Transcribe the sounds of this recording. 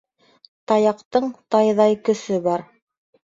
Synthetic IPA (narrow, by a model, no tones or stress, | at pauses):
t̪ɑjɑqt̪ɤɴt̪ɑjðɑjkɵ̆sɵbɑɾ